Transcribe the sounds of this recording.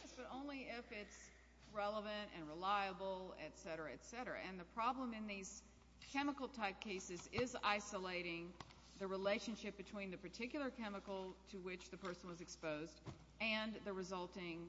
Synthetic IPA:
sb̥ʌɾõʊ̃nliɪfɪts | ɹɛlˠəvɨ̃ntɨ̃nɹəlaɪəbl̩ˠɨtsɛɾə˞ɨɨtsɛɾə˞ɨ̰ʔɨ̃nðɨpʰɹ̥ɑblə̃mɨ̃nðiz̥ | kʰɛməkl̩ˠtʰaɪp̚kʰeɪsɨzɪza̰ɪsəleɪɾɪ̃ŋ | ðɨɹileɪʃɨ̃nʃɪp̚b̥ɨtʰw̥ĩnðɨpə˞tʰɪkjl̩ˠə˞kʰɛməkl̩ˠtʰɨwɪt͡ʃðɨpʰɜ˞sn̩wʌzɨkspoʊzd | ɨ̃nðɨɹɨzʌlˠtɪ̃ŋ

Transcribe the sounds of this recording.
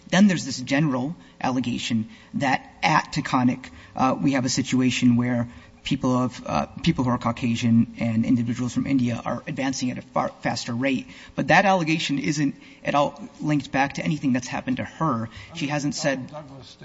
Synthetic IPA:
ðɨ̃nðə˞zðɪsd̥ʒ̥ɛnə˞l̩ˠ | ʔæ̰lˠəɡeɪʃɨ̃n | ðɨɾ | ʔɨtʰɨkʰɑnɨkʔwiɨvɨsɪt͡ʃueɪʃɨ̃nwə˞ | pʰipl̩ˠʌv̥pʰipl̩ˠhuə˞kʰɑkʰeɪʒɨ̃nɨ̃nɪ̰̃ndɨvɪd͡ʒəwl̩ˠz̥fɹʌ̃mʔɪ̰̃ndiɨ̰ʔə̰˞ɨdvæ̃nsɪ̃ŋɨɾɨ̰fæstə˞ɹeɪt̚ | b̥ʌt̪̚ðɨɾælˠəɡeɪʃɨ̃nɪzɨ̃nt | ʔɨɾɔlˠtlɪ̃ŋk̚t̚b̥æk̚tʰɨɛñiθɪ̃ŋðɨtshæ̰pɨ̃n̩tʰɨə˞ʃiɦæzɨ̃n̩tsɛd̚

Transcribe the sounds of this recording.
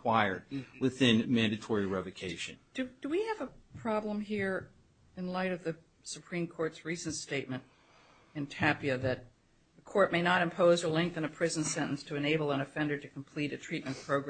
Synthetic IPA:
w̥aɪə̰˞d̚wɪθɪ̃nmæ̃ndɨtʰɔɹiɹɛvɨkʰeɪʃɨ̰̃nd̥ɨd̥əwiɨvəpʰɹ̥ɑblə̃mɦiɹ | ɨ̃nlaɪɾʌvðɨ | sɨpʰɹ̥ĩmkʰɔɹtsɹisn̩tsteɪt̚mɨ̃nt | ɨ̃ntʰæpiɨðɨt̪̚ | ðɨkʰɔɹt̚meɪnəɾɨ̃mpʰoʊzə˞lɛ̃ŋk̚θɨ̃nɨpʰɹ̥ɪz̃n̩sɛ̃ɾ̃ɨ̃n̩stʰɨɨ̃neɪbl̩ˠə̃ñɨfɛ̃ndə˞ɾɨkʰm̩pʰl̥iɾɨtʰɹ̥it̚mɨ̃npʰɹ̥oʊɡɹ

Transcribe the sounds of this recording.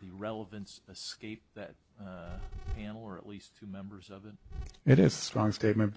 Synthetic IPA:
ðɨɹɛlˠəvɨ̃nsɨskeɪp̚ðɨt̚ | pʰænl̩ˠə˞ɨ̰ʔlistʰʉmɛ̃mbə˞zʌvɨt̚ɨɾɪzəstɹ̥ɔ̃ŋsteɪt̚mɨ̃nb

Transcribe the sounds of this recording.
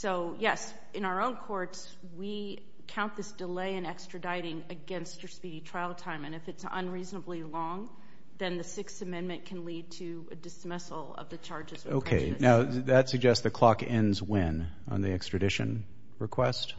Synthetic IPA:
soʊjɛs | ɨ̃ñaʊə˞õʊ̃nkʰɔɹts | wi | kʰãʊ̃nðɪsd̥əleɪɨ̃nɛkstɹ̥ɨdaɪɾɪ̃ŋɨɡɛ̃nst͡ʃə˞spiɾitʰɹ̥aɪl̩ˠtʰãɪ̃mɨ̃nɨfɨtsə̰̃nɹiznəblilɔ̃ŋ | ðɨ̃nðɨsɪksɨmɛ̃nmɨ̃nkʰɨ̃n̩lid̚tʰɨ | ɨdɨsmɪsl̩ˠʌ̰vðɨt͡ʃʰɑɹd͡ʒɨzoʊkʰḛɪnaʊðɨtsɨɡ̚d͡ʒɛstsðɨkʰl̥ɑkɛ̃nzwɪ̃n | ə̰̃nðiɛkstɹ̥ɨdɪʃɨ̰̃n | ɹɨkʰw̥ɛst̚

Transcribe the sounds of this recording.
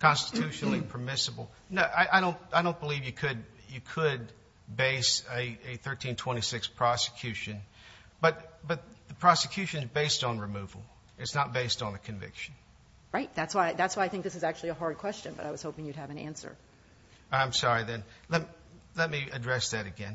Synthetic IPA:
kʰɑ̃nstɨ̥tʰʉʃnl̩ˠipʰə˞mɪsəbl̩ˠ | noʔaɪʔaɪɾõʊ̃ntaɪɾõʊ̃nb̥əlivjɨkʰɨd̚ | jɨkʰəd̚ | beɪsɨɨθɜ˞tʰĩntʰw̥ɛ̃ɾ̃isɪkspʰɹ̥ɑsɨ̥kʰj̥ʉʃɨ̃n | b̥ʌt̪̚b̥ʌt̪̚ðɨpʰɹ̥ɑsɨkʰj̥ʉʃɨ̃nɨzbeɪstn̩ɹɨmuvl̩ˠ | ɨtsnət̚b̥eɪstn̩ðɨkʰɨ̃ɱvɪ̰kʃn̩ | ɹaɪt̚ðætswaɪðætswaɪaɪθɪ̃ŋk̚ðɪsɨzæk̚t͡ʃʉl̩ˠiəɦɑɹd̚kʰw̥ɛst͡ʃɨ̃nbʌ̰ɾaɪwʌz̥hoʊpɪ̃ŋjʉd̚ɨvɨ̃næ̰̃nsə̰˞ | ãɪ̃msɑɹiðɨ̃nlɛt̚mlɛt̚miɨdɹɛsðɨɾɨɡɛ̰̃n

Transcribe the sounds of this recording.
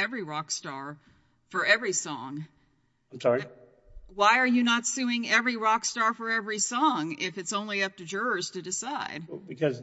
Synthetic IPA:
ɛvɹiɹɑkstɑɹ | fə˞ɛvɹisɔ̰̃ŋ | ãɪ̃msɔɹi | waɪə˞jɨnətsʉɪ̃ŋɛvɹiɹɑkstɑɹfə˞ɛvɹisɔ̃ŋɪfɨtsõʊ̃nliʌp̚tɨd͡ʒʊɹəz̥tɨdɨsaɪd̥̚bɨkʰʌz

